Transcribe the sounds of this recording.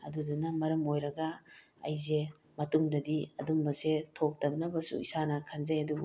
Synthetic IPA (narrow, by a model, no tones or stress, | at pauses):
ɐ̰dudunɐmɐɾɐmojɾɐɡɐ̰ː | jze | mɐtuŋdɐdiɐdumbɐzetʰok̚tɐp̚nɐbɐsṵḭsanɐkʰanzajɐdu